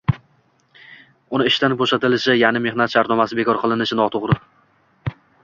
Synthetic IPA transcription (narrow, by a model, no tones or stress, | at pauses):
ʊnɪɪʃt̪anboʃat̪ɪlɪʃɪjanɪme̞hnat̪ʃaɾt̪nɒmasɪbe̞kʰɒɾqʰɨlˠɪnɪʃɪnɒt̪ʰoʁɾɪ